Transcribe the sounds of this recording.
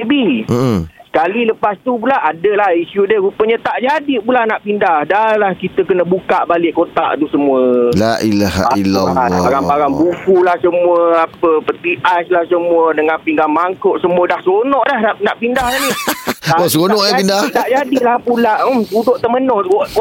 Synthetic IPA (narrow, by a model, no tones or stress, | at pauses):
bi | sə̥kaliləpast̪up̬ulaʔadəlahisudəɾupəɲət̪aʔd͡ʒadipulanaʔpindahdalahkit̪əkənəbukaʔbalɪʔkot̪a̰ʔt̪usəmuəlaʔilaɦa̰ilaaaɾampaɾaŋbukulahsəmuəapəpət̪iʔaslahsəmũədəŋanpiŋɡanmaŋkoʔsəmuədahsonɔʔdahnaʔnaʔpindahaniaosɾonɔʔəpindaht̪aʔd͡ʒadilahpulaʔ̩t̪udoʔt̪əmənɔhok